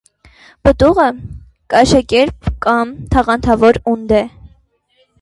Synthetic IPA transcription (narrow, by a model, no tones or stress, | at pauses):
pət̪uʁə | kɑʃɑkɛɾp̚kɑmt̪ʰɑʁɑnt̪ʰɑvɔɾund̪ɛ